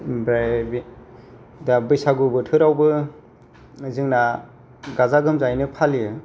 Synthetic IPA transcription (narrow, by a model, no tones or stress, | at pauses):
bɾabi | dabɯjsaɡubɯtʰɯɾawbɯ | zɯŋna | ɡazaɡɯmzajnɯpʰaliɯ